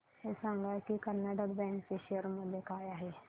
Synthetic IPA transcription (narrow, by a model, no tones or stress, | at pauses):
osãŋɡakikəɾnaɖəkbɛ̃ːŋkkeʃeəɾmʊd̪ʱjekaːjaɦeː